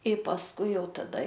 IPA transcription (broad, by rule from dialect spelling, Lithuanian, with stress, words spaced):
ɪ pɐsˈkʊɪ ˈjɛʊ tɐˈdɐ